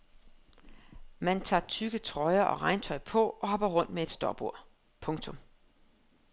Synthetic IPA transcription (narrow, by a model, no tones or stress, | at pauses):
mænt͡sʰɑ̰̈ːt͡sʰyɡ̥ət͡sʰʁɒ̽ɪɐʔɒ̽ʁɑ̈ɪnt͡sʰɒ̽ɪpʰɒ̽ʔɒ̽ɦɒ̽b̥ɐʁɔ̽n̰d̥mee̝d̥sd̥ɒːb̥o̝ɐ̰ | pʰɔ̽ŋt͡sʰɔ̽m